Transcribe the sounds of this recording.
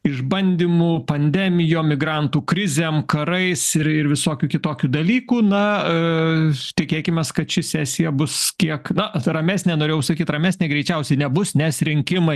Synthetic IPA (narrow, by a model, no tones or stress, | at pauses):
ɪʒbɐnʲd̪ʲiːmupɐnʲd̪ʲæmʲɪjoːmʲɪɡɾɐnt̪uːkɾʲɪzʲeːmkɐɾɐɪsɪɾɪɾʋʲɪsoːkʲuːkʲɪt̪oːkʲuːd̪ɐlʲiːkuːnɐ | t̪ʲɪkʲeːkʲɪmʲeːskɐt̪t͡ʃʲɪsʲæːsʲɪjɛbʊskʲiɛknɐrɐmʲæːsʲnʲeːnoːɾeːjɛʊsɐkʲiːt̪ɾɐmʲæːsʲnʲeːɡɾʲɛɪt͡ʃʲɛʊsʲɛɪnʲɛbʊsnʲɛsɾʲɪŋʲkʲɪmɐɪ